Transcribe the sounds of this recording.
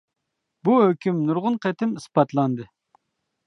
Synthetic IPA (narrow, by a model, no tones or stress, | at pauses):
buhøkʲʰymnuɾʁʊnqʰɛt̪ɪmɨspɑt̪lˠɑnd̪ɨ